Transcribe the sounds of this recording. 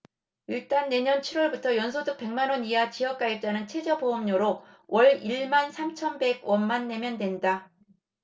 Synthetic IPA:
iɭt͈anːe̞ɲʌnt͡ɕʰiɾwʌɭbutʰʌjʌns̬ʰodɯk̚p͈e̞ŋmanwʌniat͡ɕijʌk͈̚aip̚t͈anɯnt͡ɕʰe̞d͡ʑʌboʌmɲoɾo | wʔʌɭiɭmansʰamt͡ɕʰʌnbe̞ɡwʌnmanːe̞mjʌndwe̞nda

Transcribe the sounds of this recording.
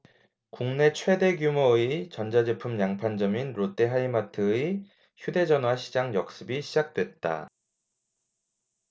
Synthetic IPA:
kuŋne̞t͡ɕʰwe̞de̞ɡjumoɯit͡ɕʌnd͡ʑad͡ʑepʰɯmjaŋpʰand͡ʑʌminɾot͈eɦaimatʰɯi | çjude̞d͡ʑʌnɦwaɕʰid͡ʑaŋjʌk̚s͈ɯbiɕʰid͡ʑak̚t͈we̞t̚t͈a̰

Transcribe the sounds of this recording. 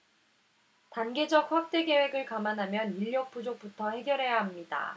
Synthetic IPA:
tanɡe̞d͡ʑʌk̚ɸak̚t͈e̞ɡe̞we̞ɡɯɭkamanɦamjʌniʎːʌk̚p͈ud͡ʑok̚p͈utʰʌhe̞ɡjʌɾɦe̞jaɦamɲida̰

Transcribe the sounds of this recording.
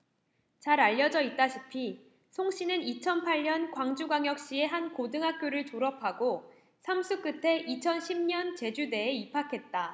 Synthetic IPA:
t͡ɕaɾaʎːʌd͡ʑʌit̚t͈aɕʰipʰi | sʰoŋɕ͈ʰinɯnit͡ɕʰʌnpʰaʎɲʌnkwaŋd͡ʑuɡaŋjʌk̚ɕ͈ie̞ɦankodɯŋɦak̚k͈joɾɯɭt͡ɕoɾʌpʰaɡo | sʰamsʰuk͈ɯtʰe̞ʔit͡ɕʰʌnɕʰimɲʌnt͡ɕe̞d͡ʑude̞ːipʰakʰe̞t̚t͈a

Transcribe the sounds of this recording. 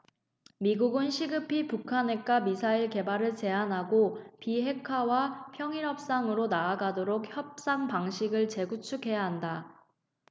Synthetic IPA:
miɡuɡɯnɕʰiɡɯpʰipukʰane̞k͈amisʰaiɭke̞baɾɯɭt͡ɕe̞anɦaɡopiɦe̞kʰawapʰjʌŋiɾjʌp̚s͈aŋɯɾonaːɡadoɾok̚çjʌp̚s͈aŋpaŋɕʰiɡɯɭt͡ɕe̞ɡut͡ɕʰukʰe̞jaɦanda

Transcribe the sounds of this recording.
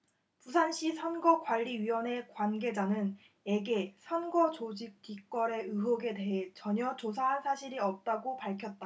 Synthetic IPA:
pusʰanɕ͈isʰʌnɡʌkwaʎːiɥiwʌne̞kwanɡe̞d͡ʑanɯn | eɡe̞sʰʌnɡʌt͡ɕod͡ʑik̚k͈ik͈wʌɾe̞ɯɦoɡe̞de̞ɦet͡ɕʌɲʌt͡ɕos̬ʰaɦansʰaɕʰiɾiʌp̚t͈aɡopaɭkʰjʌt̚t͈a

